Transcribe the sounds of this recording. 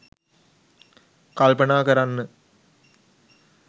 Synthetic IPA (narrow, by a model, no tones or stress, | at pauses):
kɐlpɐnaːkɐɾɐnːɨ